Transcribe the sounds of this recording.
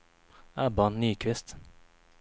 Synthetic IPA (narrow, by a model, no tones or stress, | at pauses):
æːbɑnnyːkʰʋɪst̪